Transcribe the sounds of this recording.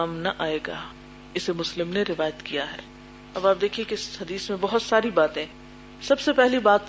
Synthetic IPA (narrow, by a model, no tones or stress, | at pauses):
aːmnɐʔaːeːɡa̰ː | ɪsemʊslɪmneɾɪʋaːjət̪kijaɦɛ̰ː | ɐbaːp̚d̪eːkʰiẽkeɪshɐd̪iːsmẽbɐɦʊt̪saːɾibaːt̪ẽ | sɐbsepɛɦlibaːt̪̚